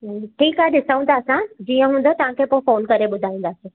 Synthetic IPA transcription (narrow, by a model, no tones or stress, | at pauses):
ʈʰiːkɦaeɗɪsəʋə̃nd̪aːəsãd͡ʑiːə̃ɦũːn̆d̪ot̪ɐʋ̤ãkʰepoɪ̃foːnkɐɾeɓʊd̪ʱaːĩːn̆d̪aːsiː